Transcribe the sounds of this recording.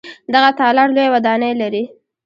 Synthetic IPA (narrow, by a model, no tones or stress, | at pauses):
d̪aɣat̪ɑlɑɽlojawad̪ɑnəjlaɾi